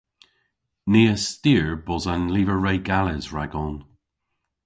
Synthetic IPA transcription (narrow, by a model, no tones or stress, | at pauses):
niːəstiːɹbɔzanliːvəɹejɡaləzɹaɡɔn